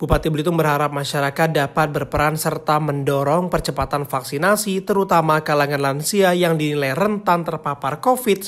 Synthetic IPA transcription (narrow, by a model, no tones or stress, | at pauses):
bupat̪ibəlit̪umbərɦaɾap̚maʃaɾakat̪̚dapat̪̚bərpəɾansərt̪aməndɔɾɔŋpərt͡ʃəpat̪anfaksinasit̪əɾut̪amakalaŋanlansiajaŋdinilajrənt̪ant̪ərpaparkofit̪̚